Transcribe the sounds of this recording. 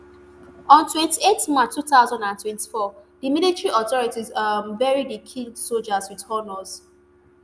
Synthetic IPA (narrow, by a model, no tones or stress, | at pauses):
ɔ̃ntwɛ̃ntietmat͡ʃtːutaʊzãndãntwɛ̃nti̥fɔdimilitɹiʔɔθɔɹitizavɛɹidikʰĩsold͡ʒazwithɔnɔz̥